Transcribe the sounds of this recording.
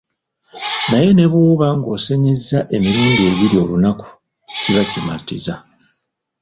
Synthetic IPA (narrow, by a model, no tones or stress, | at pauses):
naje̞ne̞βuːβaŋɡo̞ːse̞ɲezːaʔe̞miɾuːndie̞ːβiɾio̞lunaku̥ | ciβacima̰tiza